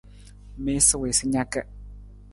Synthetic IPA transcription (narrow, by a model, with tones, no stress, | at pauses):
me˦sɪ˦we˨sɪ˦ɲa˦kɛ˦